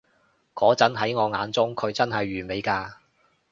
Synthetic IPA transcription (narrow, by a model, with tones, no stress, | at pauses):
kɔː˨˥t͡sɐ˨˥nɦɐ˨˥jŋɔː˨˧ŋaː˨˧nt͡sʊ˥ŋkʰɵ˨˧ɥt͡sɐ˥nɦɐ˨jːyː˨˩me˨˧jkaː˧